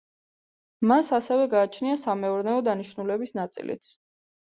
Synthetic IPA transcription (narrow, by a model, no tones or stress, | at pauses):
masasɛvɛɡaːt͡ʃʰniasamɛuɾnɛɔd̪aniʃnulɛbisnat̪sʼḭlḭt̪sʰ